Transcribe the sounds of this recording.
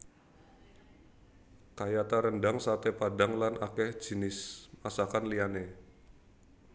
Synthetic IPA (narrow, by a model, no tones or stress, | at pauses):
kajat̪aɾəndaŋsat̪epadaŋlanʔakɛhd͡ʒi̤nɪsmasakanliane